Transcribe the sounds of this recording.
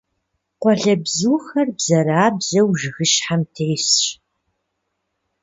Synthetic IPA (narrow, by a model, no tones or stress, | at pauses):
qʷɔɮɐbzuːxɐrbz̥ɐɾaːbzɐwʒɪxɨʃħamtʰejsɕ